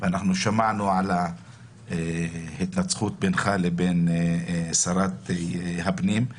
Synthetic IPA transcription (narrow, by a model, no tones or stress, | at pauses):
veanaχnuʃamaʕnuʕala | ehit̪nat͡sχut̪̚benχaleben | saɾat̪ɦabnim